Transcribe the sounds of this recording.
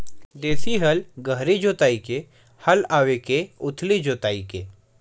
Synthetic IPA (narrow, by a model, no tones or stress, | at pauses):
d̪eːsiɦɐlɡəɦɾid͡ʒoːt̪aːike | hɐlaːʋekeʊt̪ʰlid͡ʒoːt̪aːike